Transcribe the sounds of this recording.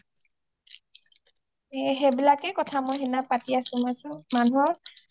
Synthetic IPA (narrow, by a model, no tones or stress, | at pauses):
ɛɦebilakɛkɔtʰamɔjɦɛnapatiasʊmasʊ̃manuɔɹ